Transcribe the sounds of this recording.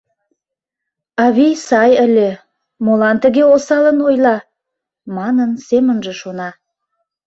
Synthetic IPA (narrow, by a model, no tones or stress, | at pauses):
ɑβʲijsɑjə̆lʲe | molɑnt̪ə̆ɣeosɑlənojlɑ | mɑnənsemə̆nʒə̆ʃonɑ